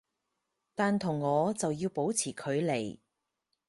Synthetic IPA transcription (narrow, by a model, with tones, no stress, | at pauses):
t̪aː˨nt̪ʰʊ˨˩ŋːɔː˨˧t͡sɐ˨wjiː˧wpo˨˥wt͡sʰiː˨˩kʰɵ˨˧ɥle˨˩j